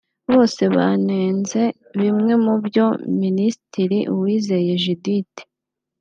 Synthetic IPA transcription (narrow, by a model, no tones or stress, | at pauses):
βo̞ːse̞βa̰ne̞ːnze̞ | βimŋe̞mubjo̞minisitʰiɾiʔuwiːze̞je̞ʒidite̥